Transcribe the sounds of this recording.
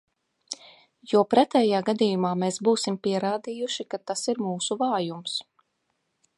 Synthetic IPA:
jupɾɛt̪ɛːjaːɡad̪iːjumaːmeːsbuːsimpiɛɾaːd̪ijuʃikat̪asiɾmuːsuvaːjums

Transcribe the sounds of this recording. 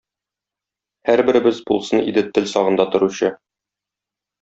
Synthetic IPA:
hæɾbɘ̆ɾɘ̆bɘzbulˠsɤnḭd̪ɘt̪ɘlsɒʁɤ̆nd̪ɑt̪ŏɾuɕɤ

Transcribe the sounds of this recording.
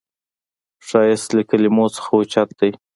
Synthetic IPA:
ʂɑjɪst̪ləkəlɪmot͡sə̥xawʊt͡ʃat̪̚d̪̥aj

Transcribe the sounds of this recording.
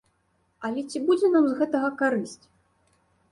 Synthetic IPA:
ɐlʲɛt͡sʲibud͡zʲɛnamzɣɛt̪ɐɣɐkaɾɨsʲt͡sʲ

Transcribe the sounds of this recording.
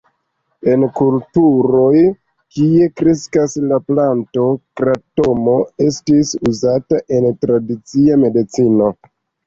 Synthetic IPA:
e̞nkultuɾo̞j | kie̞kɾeskaslaplanto̞kɾato̞mo̞e̞stisuzataʔe̞ntɾadit͡siame̞dit͡sino̞

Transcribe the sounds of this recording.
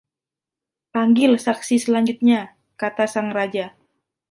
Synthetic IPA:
paŋɡɪlsaksisəlaɲd͡ʒut̪̚ɲa | kat̪asaŋrad͡ʒa

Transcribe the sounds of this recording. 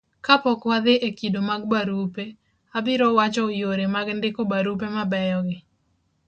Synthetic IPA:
kapɔkwad̪ɪʔekidomaɡ̚baɾupe | abɪɾɔwat͡ʃɔojoɾemaɡndɪkɔbaɾup̬emabɛjɔɡɪ

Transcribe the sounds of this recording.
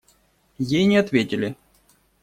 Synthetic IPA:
jejnʲɪɐt̪vʲetʲɪlʲɪ

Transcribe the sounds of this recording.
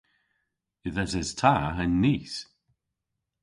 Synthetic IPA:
ɪðɛsɛztʰaənːiːs

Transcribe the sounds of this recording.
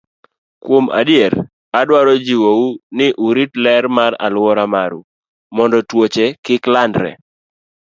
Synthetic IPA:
kwoma̰dɪɛɾ | adwaɾɔd͡ʒiwounɪʔuɾitlɛɾmaɾa̰lwɔɾamaɾu | mɔndɔtwot͡ʃɛkɪklandɾɛ̰

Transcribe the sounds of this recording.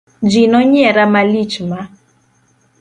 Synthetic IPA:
d͡ʒinɔɲɛɾamalit͡ʃma

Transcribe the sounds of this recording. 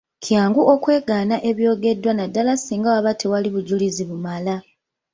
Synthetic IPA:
kʰjaːŋɡuʔo̞kwe̞ːɡaːnaʔe̞βjo̞ːɡe̞dːwanadːalasiːŋɡawaβatʰe̞waliβuɟuliziβumala

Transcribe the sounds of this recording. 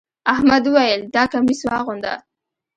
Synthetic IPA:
ahmad̪uwajəld̪ɑkamiswɑɣʊnd̪a̰

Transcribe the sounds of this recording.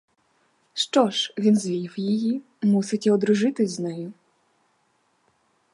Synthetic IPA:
ʂt͡ʂɔʂvʲinzʲvʲijiwjiji | musɨt͡sʲɛɔd̪ɾʊʐɨt̪ɨzʲznɛju

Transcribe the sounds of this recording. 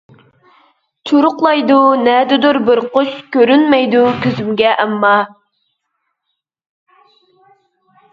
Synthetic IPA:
t͡ʃʰuɾʊqlˠɑjd̪unɛd̪ɪd̪uɾbɪɾqot͡ʃkʲøɾynmɛjd̪ukʲøzymɡʲɛʔɛmːɑ

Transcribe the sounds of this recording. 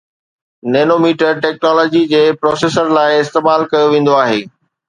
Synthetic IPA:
neːnoːmiːʈəɾʈɛːk̚nɔːlɔːd͡ʑid͡ʑeːpɾɔːseːsəɾlaːɪɪst̪eːmaːlkɐjoʋẽːn̆d̪oaːɦeː

